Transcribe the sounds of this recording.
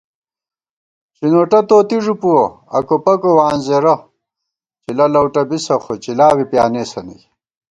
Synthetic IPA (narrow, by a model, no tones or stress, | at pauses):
t͡ɕinoːʈɐt̪oːt̪iʐupuwoɐ̰kopɐkowaːnzeɾɐ | t͡ɕilɐlɐwʈɐbisɐχot͡ɕilaːwipjaːneːsɐnɐ̰j